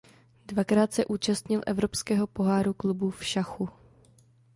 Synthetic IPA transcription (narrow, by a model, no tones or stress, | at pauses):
dvakɾaːt̪sɛʔuːt͡ʃast̪ɲɪlʔɛ̰vɾo̞pskɛːɦo̞po̞ɦaːɾuklubufʃaxu